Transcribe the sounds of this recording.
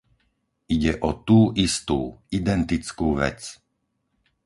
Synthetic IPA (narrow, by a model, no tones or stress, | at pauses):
ʔiɟɛʔɔt̪uːʔist̪uːid̪ɛnt̪it͡skuːʋɛ̰t͡s